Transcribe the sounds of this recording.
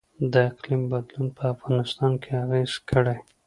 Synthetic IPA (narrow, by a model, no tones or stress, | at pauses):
d̪əɪqlimbad̪lunpʰəafɣɑnɪst̪ɑnkʰeaɣez̥kʰəɽe